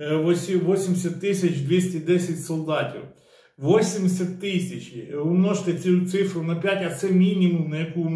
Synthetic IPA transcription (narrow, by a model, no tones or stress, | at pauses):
ʋɔsʲiʋɔsʲimʲsʲɐt̪ːɪsʲɐt͡ʃd̪ʲʋʲisʲtʲid̪ɛsʲɐtʲsɔlˠd̪ɑtʲḭw | ʋɔsʲimʲsʲɐt̪ːɪsʲɐt͡ʃʋɪmnɔʒt̪ɛsʲut̪sɪfɾʊnɐpʲjatʲɐt̪sɛmʲinʲimʊmnɐjɐku